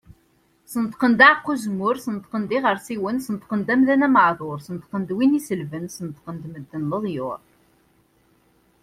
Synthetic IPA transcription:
sənət̪qənd̪æʕqːuzmʊɾsənət̪qənd̪iʁəɾsiwənsənət̪qənd̪æmðænæməʕðˤʊɾsənt̪qənd̪winisəlvənsənət̪qənd̪məd̪ːənləðˤjʊ̰ɾˤ

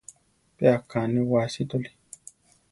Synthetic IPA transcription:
peakaniwasit̪oli̥

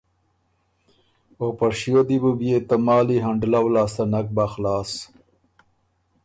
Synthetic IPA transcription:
opaɾʂijod̪ibubjet̪amɑːliɦaɳɖlawlaːst̪anak̚baxlɑːs

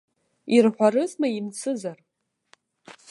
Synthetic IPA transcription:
irħʷaɾɨzmaimt͡sʰɨzar

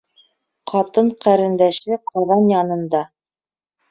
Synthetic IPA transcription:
qʰɑt̪ɤɴqæɾɘ̆nd̪æʃɘqʰɑðɑnjɑnɤ̆nd̪ɑ

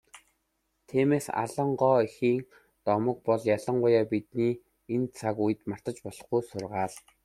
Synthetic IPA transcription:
t̪ʰiːmeːsa̰ɮə̆ɴɢɔːixiːŋ | t̪ɔmə̆k̚pɔɮjaɮə̆ɴɢʊjaːpit̪niː | ent͡sʰakujɘ̆t̪mar̥t̪ə̆t͡ɕpɔɮɞ̆χɡujsʊrʁaːɮ

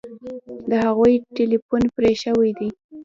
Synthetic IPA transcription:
d̪əhaɣujʈelifunpɾeʃəwajd̪i

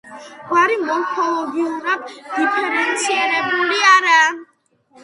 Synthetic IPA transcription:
ɡwaɾimɔlkʰɔlɔɡiunak̚d̪ipʰɛɾɛnsiɛɾɛbuliaɾa

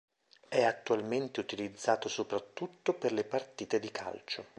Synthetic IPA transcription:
ɛat̪ːualment̪eut̪ilid̪zːaːt̪osopɾat̪ːut̪ːoperlepart̪iːt̪ed̪ikʰa̰lt͡ʃo

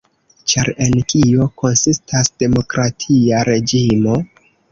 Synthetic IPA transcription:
t͡ʃaɾe̞nkio̞ko̞nsistʰasd̥e̞mo̞kɾatʰiaɾe̞d͡ʒimo̞

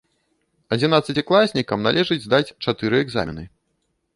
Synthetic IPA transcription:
ɐd͡zʲinat̪sːɨt͡sʲiklˠasʲnʲikɐmnalʲɛʐɨd͡zʲzd̪at͡sʲt͡ʂat̪ɨɾɨɛɡza̰mʲḭnɨ

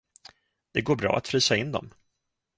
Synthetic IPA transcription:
d̪̥ɛɡoːɾbɾɑ̰ːat̪fɾiːsaɪnːd̪ɔ̰m

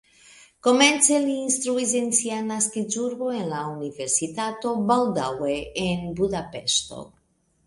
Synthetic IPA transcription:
ko̞me̞nt͡seliːnst̪ɾuis̬e̞nsianaskizuɾbo̞enlaunive̞ɾsit̪at̪o̞bald̪aweenbud̪apeʃt̪o̞̰

